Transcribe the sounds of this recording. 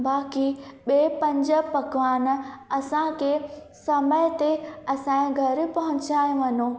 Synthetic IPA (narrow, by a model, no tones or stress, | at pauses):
baːkiɓeːpɐ̃ɲd͡ʑə̆pɐɡʋaːnɐsãkʰesɐməjt̪eɐsãːɡʱɐɾpɐɦʊ̃ɲt͡ɕaːj̃ʋɐno